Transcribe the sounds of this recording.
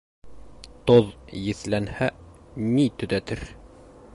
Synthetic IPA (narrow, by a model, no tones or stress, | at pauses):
t̪oðjɘ̆θlænhænit̪ɵ̆ðæt̪ɘɾ